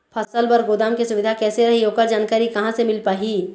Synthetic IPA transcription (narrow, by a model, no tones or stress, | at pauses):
pʰɐsəlbɐɾɡoːd̪aːmkisʊʋɪd̪ʱakɛːseɾɐɦiɦoːkəɾd͡ʒaːnkaːɾikɐɦãsemɪlpaːɦiː